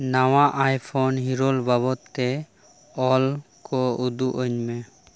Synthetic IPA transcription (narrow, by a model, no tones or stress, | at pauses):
nawaʔajpʰɔnɦiɾɔlbaβɔt̪ːɛ | ɔlkɔud̪uʔəɲmɛ